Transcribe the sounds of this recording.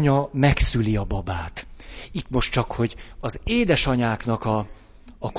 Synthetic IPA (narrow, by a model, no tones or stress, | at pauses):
ɲɒmɛksyliɒbɒbaːt̪it̪mo̞ʃtt͡ʃɒkho̞ɟɒzeːd̪ɛʃɒɲaːknɒkɒː | k